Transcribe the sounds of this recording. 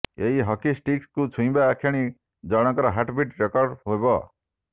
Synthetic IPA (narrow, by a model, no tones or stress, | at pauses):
eɦiɦɔkisʈikskut͡ʃʰũj̃baakʰːjaɽ̃i | d͡ʒɔɽ̃ɔkɔɾɔɦaʈbiʈɾekɔɾɖɦojbɔ